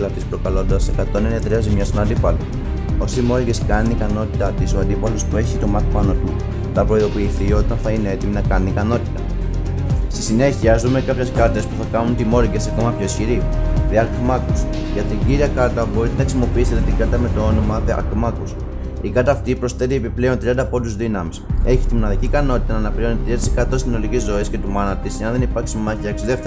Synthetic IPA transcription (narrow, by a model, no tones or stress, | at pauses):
lɐt̪ispɾo̞kɐlo̞nd̪ɐse̞kɐt̪o̞nenet̪ɾiɐzimɲɐst̪onɐnd̪ipɐlo | o̞siimo̞ɾiɡe̞skɐniikɐno̞t̪it̪ɐt̪isoɐnd̪ipɐlo̞spue̞çit̪o̞mɐt̪pɐno̞t̪u | θɐpɾo̞iðo̞piːθio̞t̪ɐnθɐine̞e̞t̪iminɐkɐninikɐno̞t̪i̥t̪ɐ | st̪isine̞çiɐzume̞kɐpçe̞skɐt̪e̞spuθɐkɐnunt̪imo̞ɾiɡe̞sɐko̞mɐpço̞esçiɾiðeɐɾkmɐkus | ʝɐt̪iɟiɾiɐkɐɾt̪ɐbo̞ɾit̪e̞nɐxisimo̞piiset̪et̪iɡɐɾt̪ɐme̞t̪o̞o̞no̞mɐðeɐ̰ɾkmɐkus | ikɐɾt̪ɐːft̪ipɾo̞sθe̞t̪ie̞piple̞o̞nt̪ɾiɐnd̪ɐpo̞nd̪uzðinɐmise̞çi̥t̪imonɐðicikɐno̞t̪i̥t̪ɐnɐːnɐpiɾo̞nit̪ɾiɐt̪ise̞kɐt̪o̞st̪inolicizːo̞isce̞t̪umɐnɐt̪isʝɐnðe̞nipɐɾksimɐçiɐksiðe̞fθe